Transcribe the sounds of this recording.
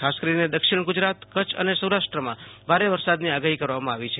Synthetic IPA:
kʰaskəɾined̪əkʃiɽ̃ɡʊd͡ʒɾat̪kət͡ʃʰə̰nesəwɾaʃʈɾəmã̰bʱaɾeʋəɾsad̪niaɡaɦikəɾʋamãaʋit͡ʃʰe

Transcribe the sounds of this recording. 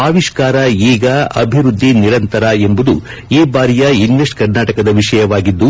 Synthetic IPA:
aːʋiʃkaːɾɐiːɡɐɐ̰bʱiɾud̪ʱːiniɾɐnt̪ɐɾɐe̞mbud̪u | eːbaːɾijɐinʋesʈkɐɾnaːʈɐkɐd̪ɐʋiʂɐjɐʋaːɡid̪ːu

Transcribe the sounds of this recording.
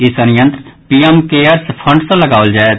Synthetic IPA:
ɪsənjə̃nt̪ɾpiːɛmkeːəɾspʰə̃ɳɖsõlɐɡaːʋəld͡ʒaːe

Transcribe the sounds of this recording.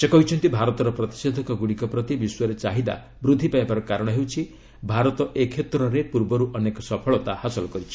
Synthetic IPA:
sekɔɦit͡ʃʰɔnt̪ibʱaɾɔt̪ɔɾɔpɾɔt̪i̥sed̪ʱɔkɔɡuɽ̃ikɔpɾɔt̪ibiswɔɾet͡ʃaɦid̪a̰ | bɾud̪ʱːipaebaɾɔkaɾɔɽ̃ɔɦewt͡ʃʰi | bʱaɾɔt̪ɔʔekʰːet̪ɾɔɾepuɾbɔɾuʔɔnekɔsɔpʰɔɭɔt̪ahasɔlɔkɔɾit͡ʃʰi̥

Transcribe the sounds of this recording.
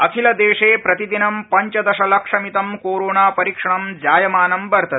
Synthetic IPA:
ɐkʰilɐd̪eːʂeːpɾɐt̪id̪inɐmpɐɲt͡ʃɐd̪ɐʃɐlɐkʂɐmit̪ɐmkoːɾoːnaːpɐɾikʂɐɳɐmd͡ʒaːjɐmaːnɐmbɐɾt̪ɐt̪

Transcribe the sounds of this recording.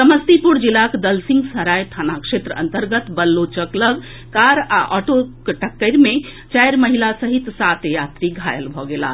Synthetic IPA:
səməst̪ipuɾd͡ʒilakd̪əlsĩŋɡsəɾajt̪ʰanakʂet̪ɾəə̰̃nt̪əɾɡət̪bəlːot͡ʃəkləɡ | kaɾa̰ʔɔʈokʈəkːəɾmẽ | t͡ʃajɾməɦilasəɦit̪sat̪jat̪ɾiɡʱajəlbʱɔɡela̰

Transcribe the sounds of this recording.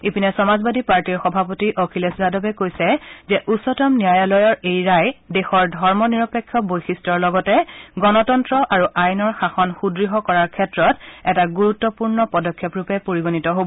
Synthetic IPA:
ipinɛsɔmazbadipaɹtiɹxɔbʱapotiʔokʰileszadɔbɛkojsɛzɛʔusɔtɔmnijajalɔjɔɹejɹajdɛxɔɹdʱɔɹmɔniɹɔpekʰːjɔbojxistɔɹlɔɡɔtɛɡɔnɔtɔntɹɔʔaɹuʔajnɔɹxaxɔnxudɹiɦɔkɔɹaɹkʰɛtɹɔtɛtaɡuɹutːɔpuɹnɔpɔdɔkʰːjɔpɹupɛpoɹiɡonitɔɦobɔ

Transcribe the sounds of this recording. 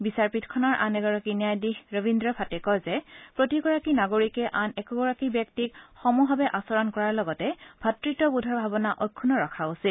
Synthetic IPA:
bisaɹpitkʰɔnaɹʔa̰nɛɡɔɹakinijajdihɹɔbindɹɔpʰatɛkɔjzɛpɹotiɡɔɹakinaɡoɹikɛʔanɛkɔɡɔɹakibjɔk̚tikxɔmuɦɔbɛʔasɔɹɔnkɔɹaɹlɔɡɔtɛb̥ʱatɹitɔbudʱɔɹbʱabɔnaʔɔjkʰːunɔɹɔkʰausil

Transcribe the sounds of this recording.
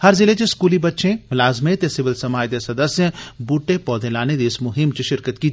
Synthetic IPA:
hɐɾzɪlet͡ʃeskuːlibɐtːʃʰẽmʊlaːzmẽt̪esɪʋɪlsɐmaːjt̪esɐd̪əsjəbuːʈepɔːd̪ʱẽlaːned̪iɪsmʊɦɪmt͡ʃeʃɪɾkət̪ki

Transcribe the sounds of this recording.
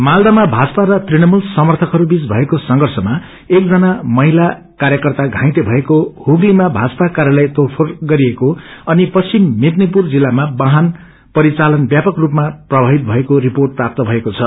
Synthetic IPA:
mald̪amabʱad͡zʌpaɾʌt̪rinʌmulsʌmʌrt̪ʰʌkɦʌɾubit͡sbʱʌekosʌŋɡʱʌrsʌma | ek̚d͡zʌnamʌɦila | kaɾjʌkʌrt̪aɡʱãj̃t̪ebʱʌekohuɡlimabʱad͡zʌpakaɾjalʌjt̪orpʰorɡʌɾiekoʌnipʌt͡sʰimmit̪nipurd͡zilːamabãɦan | pʌɾit͡salʌnbjapʌkrupmaprʌbʱaɦit̪̚bʱʌekoriporʈ̚prap̚t̪ʌbʱʌekot͡sʰʌ

